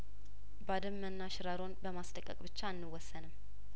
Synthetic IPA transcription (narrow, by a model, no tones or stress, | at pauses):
bad̪əmːənːaʃɪɾaɾo̞nbəmast̪ʼəkʼə̰kʼbɨt͡ʃːaːnːɨwːɔsːənɨm